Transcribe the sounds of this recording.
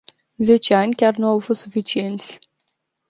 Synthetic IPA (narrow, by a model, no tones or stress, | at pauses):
ze̞t͡ʃeanʲkʲarnuawfost̪sufit͡ʃie̞nt̪sʲ